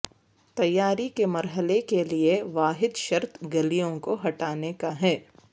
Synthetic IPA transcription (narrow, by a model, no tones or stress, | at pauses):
t̪ɐjːaːɾikemɐɾɦəlekelieʋaːɦɪd̪ʃɐɾt̪ʰɡɐlijõkoɦɐʈaːnekaɦɛː